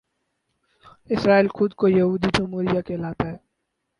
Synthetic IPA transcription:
ɪsɾaːiːlxʊd̪kojɐɦuːd̪iʈ̪ʰʊmuːɾijakeːlaːt̪aɦɛː

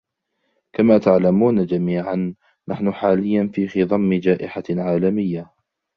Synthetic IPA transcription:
kamaːt̪aʕlamuːnad͡ʒamiːʕanː | ʔaħnʊħaːlɪjːanfiːxiðˤɑmːɪd͡ʒaːʔɪħaʕaːlamɪjːa

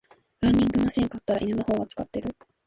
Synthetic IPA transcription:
ɾãnʲdʲĩŋɡɯ̟maɕẽŋkat̪ːaɾaʔinenohõ̞ːŋɡat͡sɨ̥kat̪ːe̞ɾɯ̟

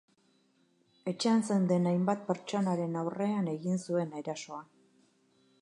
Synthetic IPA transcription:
e̞t͡ʃeanse̞nd̪e̞najmbat̪̚pe̞ɾt͡ʃo̞naɾe̞nawre̞ane̞ɣinsue̞najɾaso̞a

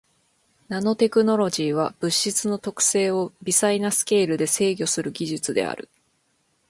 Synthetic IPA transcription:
nano̞t̪e̞kɯ̟no̞ɾo̞ʑiːβ̞ab̥ɯ̟ɕːit͡sɨno̞t̪o̞kɯ̟̥se̞ːo̞bʲisainasɨ̥ke̞ːɾɯ̟d̪e̞se̞ːɡʲo̞sɨɾɯ̟ɡʲiʑɨt͡sɨd̪e̞̰a̰ɾɯ̟̰

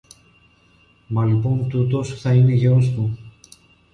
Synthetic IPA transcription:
mɐlipo̞nt̪ut̪o̞sθɐine̞ʝeɾost̪u

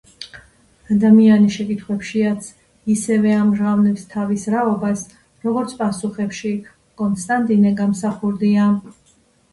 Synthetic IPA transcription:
ad̪amianiʃɛkʼit̪ʰχwɛpʃiat̪sʰ | isɛvɛamʒavnɛpst̪ʰavisɾaɔbas | ɾɔɡɔɾt̪sʰpʼasuχɛpʃi | kʼɔnt̪sʰt̪ʼant̪ʼinɛɡamsaχuɾd̪ia

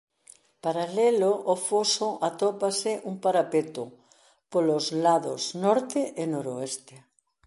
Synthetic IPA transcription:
paɾaleloʔːfosoʔat̪opasɪʔuŋpaɾapet̪o | polozlaðoznɔɾt̪ɪʔɪnoɾoest̪e

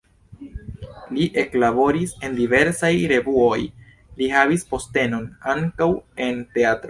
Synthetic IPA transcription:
liʔe̞klabo̞ɾise̞ndive̞ɾsajɾe̞vuoj | lihavispo̞ste̞no̞naŋkawe̞nte̞atɾo

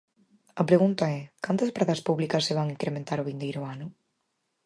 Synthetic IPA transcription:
ɐpɾeɣunt̪ɐɛkant̪ɐspɾaðɐspuβlikɐsːeβ̞aŋiŋkɾemẽnt̪aɾʊβind̪ejɾʊanʊ

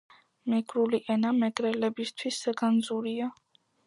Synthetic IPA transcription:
mɛɡɾuliʔɛnamɛɡɾɛlɛbist̪ʰwisɡand̪zuɾia

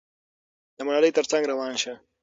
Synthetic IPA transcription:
d̪̥əmʊnaləjt̪əɾt͡sãŋɡɾawɑːnʃa

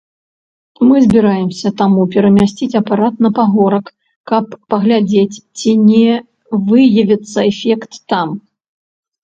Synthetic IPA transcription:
mɨzʲbʲiɾajɛmsʲɐt̪amupʲɛɾɐmʲasʲt͡sʲit͡sʲɐpaɾat̪nɐpaɣɔɾɐkː | ɐpːɐɣlʲad͡zʲet͡sʲt͡sʲinʲɛ | vɨjɐvʲit̪sːɐɛfʲɛkt̪ːam

